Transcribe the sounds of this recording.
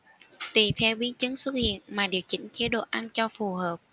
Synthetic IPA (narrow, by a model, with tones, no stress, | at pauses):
t̪wi˨˩t̪ʰɛ˧wɓi˨˦nt͡ɕɨ˨˦ŋswə˦˥t̚hḭ˧˨ənmaː˨˩ɗi˨˩əwt͡ɕḭ̈˧˥ŋ̟t͡ɕe˨˦ɗo̰˧˨ʔa˧nt͡ɕɔ˧fu˨˩ɦəː˨˩p̚